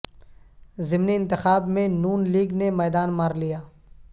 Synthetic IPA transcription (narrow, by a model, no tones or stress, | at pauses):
zɪmniɪ̃nt̪ɪxaːbmẽnuːnliːɡnemɛːd̪aːnmaːɾlijaː